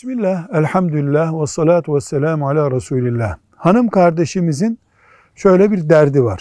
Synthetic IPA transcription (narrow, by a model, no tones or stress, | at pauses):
bismilʲːæhælʲħamd̪uilːæhwɑsːɑlaːt̪ʰuvɛsːælæːmʕalʲaːɾˤɑsuːlilʲːæh | hanɯmkʰaɾd̪eʃimizin | ʃø̞jlʲɛbiɾd̪æɾd̪iva̰ɾ̥